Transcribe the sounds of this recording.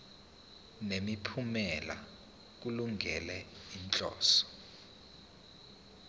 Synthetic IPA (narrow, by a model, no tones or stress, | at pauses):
nemipʰumɛla̰ | k̬uluŋʱɛ̰lɛint͡ɬʼɔ̰ːsɔ̥